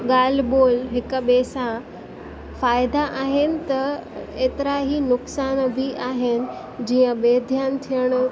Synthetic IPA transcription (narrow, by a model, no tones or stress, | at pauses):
ɠaːl̤boːlɦɪkɓeːsã | faːjd̪aʔaːɦɪnɪ̆t̪ɐeːt̪ɪɾaɦinʊksaːnbʱiʔaːɦɪnɪ̆ | d͡ʑiːə̃ɓeːd̪ʱjaːnt̪ʰijəɽ̃